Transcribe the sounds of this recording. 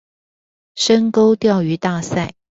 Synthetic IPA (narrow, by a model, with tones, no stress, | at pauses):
ʂə˥ŋko˥ʊt̪jɑ˥˩ʊy˧˥t̪a˥˧sa˥˩ɪ